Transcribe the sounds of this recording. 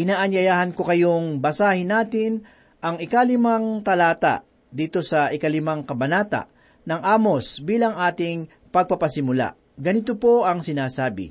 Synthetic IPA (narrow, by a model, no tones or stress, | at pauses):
ʔɪnaːʔɐɲjɐjaːhɐnkokɐjoŋbɐsaːhɪnaːt̪ɪn | ʔɐŋɪkalɪmaŋt̪ɐlaːt̪a̰ | d̪iːt̪o̞sɐʔɪkɐlɪmaŋkɐbɐnaːt̪a̰ʔ | nɐŋʔaːmosbiːlɐŋʔaːt̪ɪŋ | pɐɡ̚pɐpɐsɪmʊla̰ | ɡɐnɪt̪opo̞ʔɐŋsɪnaːsaːbɪ̰